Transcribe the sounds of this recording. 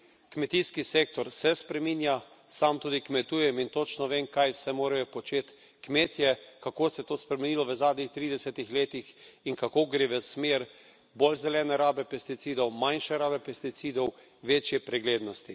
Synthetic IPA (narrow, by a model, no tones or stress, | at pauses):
kmɛt̪iskiseːk̚t̪ɔɾsɛspɾɛmiːnja | samt̪uːd̪ikmɛt̪uːjɛmint̪ot͡ʃnɔʋeːmkajwsɛmoːɾajɔpɔt͡ʃeːt̪ | kmeːt̪jɛkakoːsɛt̪oːspɾɛmɛniːlɔʋəzaːd̪nixt̪ɾiːd̪ɛsɛt̪ixleːt̪ixinkakoɡɾeːʋəsmeɾ | bolzɛlɛːnɛɾaːbɛpɛst̪it̪siːd̪ɔwmãnʃɛɾaːbɛpɛst̪it̪sid̪ɔw | ʋeːt͡ʃjɛpɾɛɡleːd̪nɔst̪i